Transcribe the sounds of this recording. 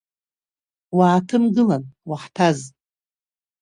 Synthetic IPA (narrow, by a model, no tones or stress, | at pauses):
waːtʰɨmɡɨlanwaħtʰaz